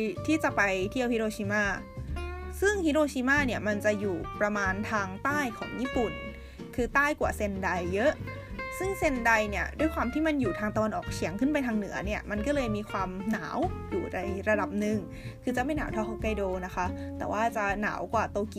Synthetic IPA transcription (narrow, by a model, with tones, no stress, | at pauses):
t̪ʰiː˥˩t͡ɕa˨˩pa˧jt̪ʰi˥˩əwhi˦˥ɾoː˧ɕiː˧maː˥˩ | sɯ˥˩ŋhi˦˥ɾoː˧t͡ɕiː˧maː˥˩ni˥˩ɐma˧nt͡ɕa˨˩ʔjuː˨˩pɾa˧maː˧nt̪ʰaː˧ŋt̪aː˥˩jkʰɔ̰ː˩˦ŋjiː˥˩pu˨˩n | kʰɯː˧t̪aː˥˩jkwa̰ː˨˩se˧nda˧jːɤ˦˥ʔ | sɯ˥˩ŋse˧nda˧jni˥˩ɐdu˥˩jkʰwaː˧mt̪ʰiː˥˩ma˧njuː˨˩t̪ʰaː˧ŋt̪a˧wa˧nʔɔ̰ː˨˩k̚t͡ɕʰi˩˦əŋkʰɯ˥˩npa˧jt̪ʰaː˧ŋnɯ˨˩˦ɐni˥˩ɐma˧nkɔː˥˩lɤː˧jmiː˧kʰwaː˧mna̰ː˩˦wjṵː˨˩na˧jɾa˧da˨˩p̚nɯ˧˩ŋ | kʰɯː˧t͡ɕa˨˩ma˥˩jnaː˩˦wt̪ʰaː˧˥˩kʰa˦˥wka˧jdoː˧na˦˥kʰa˦˥ʔt̪ɛː˨˩wʔaː˥˩t͡ɕa˨˩na̰ː˩˦wkwaː˨˩t̪oː˧ki˨